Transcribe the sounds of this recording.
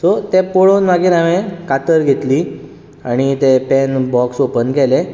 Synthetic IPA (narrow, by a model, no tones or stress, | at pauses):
sɔt̪epoɭonʋaɡinaʋẽkat̪əɾɡʱet̪liː | aɽ̃it̪epɛnbɔksopənɡɛle